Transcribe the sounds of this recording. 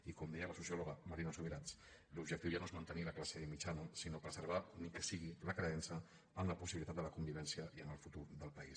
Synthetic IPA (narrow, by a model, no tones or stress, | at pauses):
ikɔmd̪ɛjələsusjoloɣəmaɾinasuβiɾat͡s | lubʒəkt̪iwʒanoezmənt̪əniləklasəðimit͡ʃanusinopɾəzəɾβ̞anikəsiɣiləkɾəɛnsə | əmləpusiβilit̪at̪d̪ələkumbiβɛnsiəiənəlfut̪uɾðəlˠpəis